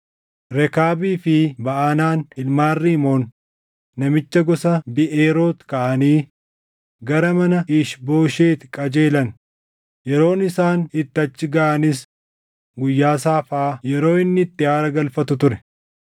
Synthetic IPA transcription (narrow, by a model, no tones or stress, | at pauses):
ɾɛkaːbiːfɪbɐʔanaːnɪlmaːrːiːmo̞ːnː | ɐmɪt͡ʃːɐɡɔsɐbɪʔeːɾo̞ːt̪kɐʔɐniː | ɡɐɾɐmɐnɐʔɪʃbo̞ːʃeːt̪ɪkʼɐd͡ʒe̞ːlɐn | jɛɾo̞ːnɪsaːnɪt̪ːɐt͡ʃːɪɡɐʔɐnɪs | ɡʊjːaːs̬aːfaːjɛɾo̞ːɪnːɪɪt̪ːɪaːɾɐɡɐlfɐt̪ʊt̪ʊɾɛ